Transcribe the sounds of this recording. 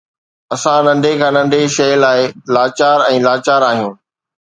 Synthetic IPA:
ɐsãnɐ̃nd̪ʱekʰãːnɐ̃nd̪ʱeʃɐjlaːɪlaːt͡ɕaːɾɛ̃ːlaːt͡ɕaːɾaːɦijũː

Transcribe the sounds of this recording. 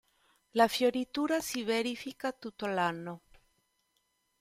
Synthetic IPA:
lafjoɾit̪uːɾasiveɾifikat̪ut̪ːolanːo

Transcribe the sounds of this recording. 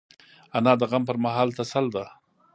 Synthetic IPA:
anɑːd̪əɣampəɾmaɦɑːlt̪asald̪a

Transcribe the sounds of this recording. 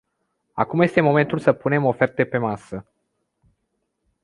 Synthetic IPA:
a̰kumje̞st̪e̞mo̞me̞nt̪ulsəpune̞mo̞fe̞rt̪e̞pe̞masə

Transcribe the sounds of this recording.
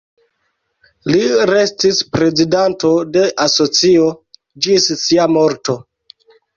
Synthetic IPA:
liɾe̞stispɾe̞zidanto̞de̞ʔaso̞t͡sio̞ | d͡ʒissiamo̞ɾto

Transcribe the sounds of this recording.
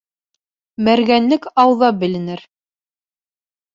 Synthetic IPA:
mæɾɡænlɘkɑwðɑbɘ̆lɘ̆nɘɾ

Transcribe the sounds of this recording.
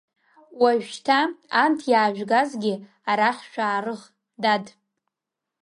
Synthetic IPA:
waʒtʰaːmtʰjaːʒᶣɡazɡʲɪ | aɾaχʲʃᶣaːrɨʁ | dad

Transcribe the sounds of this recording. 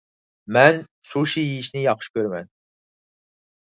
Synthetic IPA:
mɛn | suʃijijiʃnɪjɑχʃkʲøɾmɛn

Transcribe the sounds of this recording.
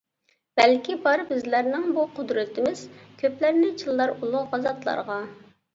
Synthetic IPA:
b̥ɛlkʲibɑɾbɪzlæɾnɪŋbuqʰʊd̪ɾɪt̪ɪmɪz̥kʲʰøplæɾnɪt͡ʃʰɨlˠːɑɾulˠuʁɑzɑt̪lˠɑ̰ɾʁɑ

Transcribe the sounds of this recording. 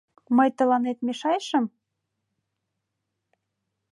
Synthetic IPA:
məjt̪ə̆lɑnet̪̚meʃɑjʃəm

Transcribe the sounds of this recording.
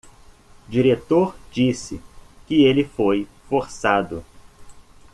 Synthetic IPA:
d͡ʒiɾet̪oɾd͡ʒisɪkɪelɪfojfoɾsad̪ʊ

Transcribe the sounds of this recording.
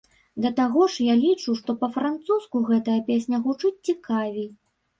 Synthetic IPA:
d̪ɐt̪aɣɔʂjalʲit͡ʂuʂt̪ɔpɐfɾant̪suskuɣɛt̪ɐjɐpʲesʲnʲɐɣut͡ʂɨt͡sʲt͡sʲikavʲij

